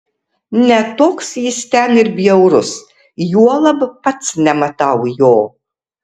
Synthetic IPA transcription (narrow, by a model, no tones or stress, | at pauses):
nʲæt̪ɔːksist̪ʲæniɾbiɛwɾus | juɔlˠabpat̪snʲɛmat̪aːwjɔː